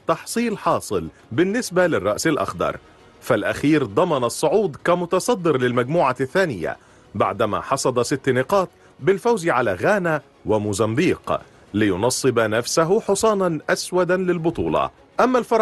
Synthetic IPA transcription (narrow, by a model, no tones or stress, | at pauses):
t̪ɑħsˤiːlħɑːsˤɨl | bɪnːɪsbalɪrˤːɑʔsɪlʔɑ̰xd̪ˤɑ̰ɾˤ | falʔa̰xiːɾd̪ˤɑmɑnɑsˤːʊʕuːd̪kamʊt̪ɑsˤɑd̪ːɨɾlɪlmaɡmuːʕaθːaːnɪja̰ | ba̰ʕd̪ama̰ːħɑsˤɑd̪ˤɑsɪt̪ːnɪqɑːt̪̚ | bɪlfawzʕalaːɣaːna | wɪmʊzambiːq | lɪjʊnɑsˤːɨbnafsaɦʊħʊsˤɑːnɑnʔaswad̪anlɪlbʊt̪ˤuːlɑ̰ | ʔamːalfɑɾˤ